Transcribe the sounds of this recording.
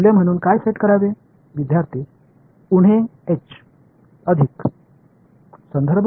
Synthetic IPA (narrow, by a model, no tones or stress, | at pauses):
lem̤əɽ̃uːnkajseʈkəɾaʋe | ʋid̪jaɾt̪ʰi | uɽ̤eet͡ɕ | əd̪ʱik | sənd̪ʱəɾbʱ